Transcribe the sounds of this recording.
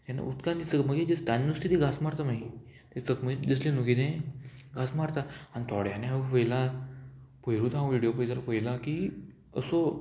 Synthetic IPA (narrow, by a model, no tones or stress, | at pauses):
t̪jana̰ʔut̪kãnd̪it͡səɡməɡed͡ʑəst̪anːust̪ʰit̪iɡasmaɾt̪anaɦit̪et͡səkməed͡ʑəslenuɡinẽɡʱasmaɾt̪aanit̪ʰɔɽjaneapəjla | pəjɾuːt̪ʰãw̃ʋiɽijopəjsalapəjlãkiː | əso